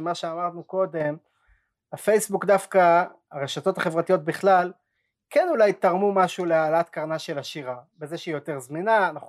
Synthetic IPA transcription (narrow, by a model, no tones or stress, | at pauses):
maʃeamaʁdnuko̞de̞m | afe̞jsbukdafka | aʁe̞ʃato̞t̪aχevʁatijo̞t̚biχlal | kenulajt̪aʁmumaʃulealaat̪kaʁnaʃe̞laʃiʁabeze̞ʃeijote̞ʁzminaːnaχ